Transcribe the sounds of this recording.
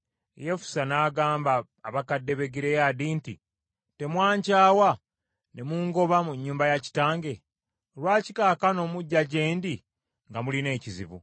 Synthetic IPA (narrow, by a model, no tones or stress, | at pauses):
jefu̥sanaːɡaːmbaː | βakadːe̞βe̞ɡiɾejadiːnti | te̞mwaːɲcaːwa | ne̞muŋɡo̞βamuɲːuːmbajaci̥taːŋɡe̞ | olwaːci̥kaːkano̞ːmuɟːaɟe̞ːndi | ŋɡamuline̞ːcizḭβṵ